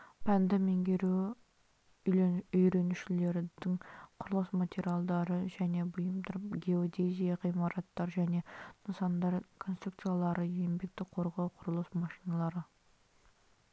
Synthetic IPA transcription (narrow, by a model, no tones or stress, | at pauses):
pʰænd̪ɪmeŋɡʲeɾu | ʏjɾe̞nuʃɪle̞ɾɪd̪ɪŋqʰʊɾəlˠəsmat̪ʲeɾʲijalˠd̪ɑɾəʒæne̞bʊjəmd̪ɑɾɡʲe̞od̪ʲezʲijaʁijmɑɾɑt̪ːɑɾʒæne̞nəsɑnd̪ɑɾkʰo̞nst̪ɾukt̪sɨjalˠɑɾəjembe̞k̚t̪ɪqʰo̞ɾʁɑwqʰʊɾəlˠəsmɑʃinɑlˠɑɾə